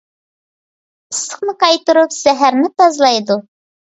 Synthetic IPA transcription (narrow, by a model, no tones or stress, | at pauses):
ɨsə̥qnɨqɑjt̪ɨɾupsæɦæɾnɪt̪ɑzlˠɑjd̪u